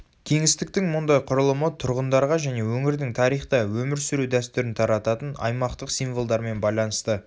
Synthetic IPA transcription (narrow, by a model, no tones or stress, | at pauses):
kʲʰe̞ŋɪst̪ɪk̚t̪ɪŋmʊnd̪ɑjqʰʊɾəlˠəmət̪ʰʊɾʁənd̪ɑɾʁɑʒæne̞wɵŋɪɾd̪ɪŋt̪ʰɑɾijχt̪ɑwɵmɪɾsʏɾud̪æst̪ʏɾɪnt̪ʰɑɾɑt̪ɑt̪ənɑ̰jmɑqt̪əqsijnvolˠd̪ɑɾme̞nbɑjlˠɑnəst̪ə